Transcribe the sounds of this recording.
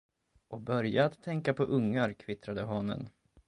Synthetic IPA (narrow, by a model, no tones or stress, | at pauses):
ɔbœɾjaːt̪ʰːɛŋkapʰɔʔɵŋːaɾkʰvɪt̪ɾad̪əɦɑːnə̰n